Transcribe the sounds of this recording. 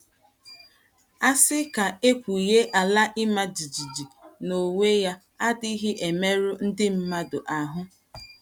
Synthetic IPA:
a˦sɪ˦ka˨e˦kʷu˨je˦ʔa˨la˦ʔɪ˦ma˦d͡ʒi˨d͡ʒi˨d͡ʒi˨no˨ŋe˦ja˦ | a˦dɪ˦ɦɪ˦ʔe˨me˦ɾʊ˦n̩˦dɪ˦m̩˦ma˦dʊ˨ʔa˨ɦʊ˦

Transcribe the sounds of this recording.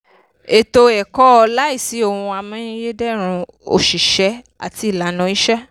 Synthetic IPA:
e˨to˧ɛ˨kɔ˦ɔ˧la˦i˦˨si˨˦o˦˨hũ˧a˧mɔ̃˦ĩ˦je˦dɛ˦˨ɾ̃ũ˧ | o̰˨ʃi˨ʃɛ˨˦ | a̰˨ti˧i˨la˨˦nɔ̃˧˦i˦ʃɛ˦

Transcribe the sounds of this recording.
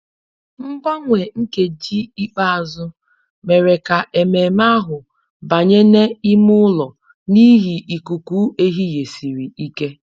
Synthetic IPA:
m̩˦ɡ͡bɔ˦ŋʷe˨ŋ̩˦ke˨d͡ʒi˦i˦k͡pa˦a˨zʊ˦ | me˨ɾe˨ka˨ʔe˨me˨ma˦ɦʊ˨ | ba˨ɲe˦ne˦i˦mʊ˦lɔ˨ | ni˦ɦi˨ʔi˨ku˨ku˦ʔe˦ɦi˦je˨si˨ɾi˨i˦ke˦

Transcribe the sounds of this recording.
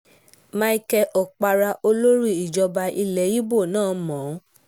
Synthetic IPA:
mã˧i˧kɛ˧ʔɔ˨k͡pa˧ɾa˧ʔo˧lo˦ɾi˦˨i˨d͡ʒɔ˧ba˧ʔi˧lɛ˨˦ji˦bo˦˨nãː˦˨mɔ̃˨˦

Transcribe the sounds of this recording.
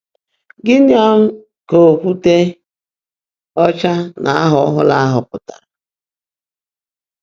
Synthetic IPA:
ɡɪ˦n˦a˦m̩˦ | ko˨kʷu˦te˦ | ɔ˦t͡ʃa˦nʔa˨a˦ɦɔ˨˦ɦʊ̰˦la˦a˦ɦʊ˨kʊ˨ta̰˨

